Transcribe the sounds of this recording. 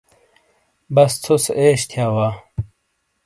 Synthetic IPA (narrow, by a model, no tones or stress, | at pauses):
bɐst͡sʰuseːɕt̪ʰjaːwaː